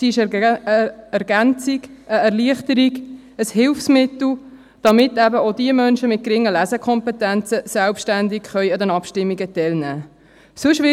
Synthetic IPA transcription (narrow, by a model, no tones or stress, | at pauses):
siɪʃ | ɛɾɡænt͡siɡəɛɾʁliəχt̪əɾiɡ | əshɪlfsmɪtl̩ | d̥ɑmɪt̪ːæbəod̪iəmœnʃəmɪt̚kɾɪŋːəlæzəkʰɔmpɛtænt͡səsælpʃtænd̪ɪkχœʏɑd̪ɛnɑpʃtɪmːiɡətɛlnæː | sʊʃʋɪ